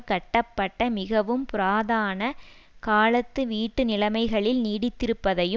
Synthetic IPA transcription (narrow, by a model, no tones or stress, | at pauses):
kɐʈːɐpːɐʈːɐmɪɣɐʋɯmpʊɾaːðaːnɐkaːlɐt̪ːɯʋiːʈːɯnɪlɐmɐɪɣɐɭɪlniːɽɪt̪ːɪɾɯpːɐðɐjɯ